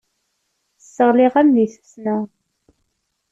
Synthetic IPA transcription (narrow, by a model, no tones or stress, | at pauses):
əsːəʁlɪʁæmðiθə̥snæ